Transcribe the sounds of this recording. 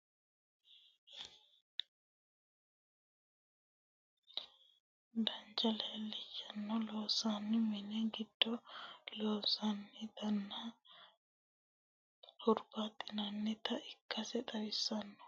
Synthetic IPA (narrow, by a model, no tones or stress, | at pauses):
d̪ɐnd͡ʒɐlɛlːɛjɐnːɔloːsanːɪmɛnɛɡɪd̪̥ːɔloːsɐnːɪd̪ɐnːɐ | hʊɾbat̪ʼːɪnɐnːɛt̪ʰɐʔɪkːɐsɛt̪ɐɾɪsːɐnːɔ̥